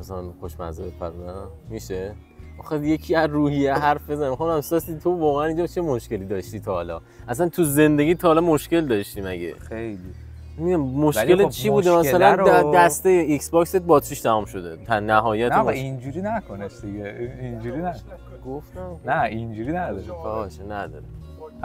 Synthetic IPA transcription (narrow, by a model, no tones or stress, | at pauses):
mæsælænxoʃmæ̰zebepʰæ̰ɾnæmiʃe | ʔɒxeje̞cʰiæzruːhijeɦæɾfbezænæmxonæmsɒːsit̪ʰovɒːɣeænind͡ʒɒt͡ʃʰemo̞ʃke̞liːd̪ɒːʃt̪iːt̪ʰɒhɒlɒ̰ | ʔæsænt̪ʰuze̞nd̪e̞ɡʲiːt̪ʰɒhːlɒmoʃce̞ld̪ɒʃt̪iːmæɟḛejli | miɟæmmoʃlʲeet͡ʃʰibuːd̪emæsælænd̪æst̪ejeiksbɒkset̪̚bɒːt̪t͡ʃʰiʃt̪ʰæmuːmʃo̞d̪e̞̰t̪ʰænːæɦɒːjæt̪mind͡ʒuɾinækʰonesd̪iɡeind͡ʒuɾinækoe | ɡoft̪æmnæind͡ʒuɾinæd̪ɒɾkʰɒʃnæd̪ɒ̰ɾe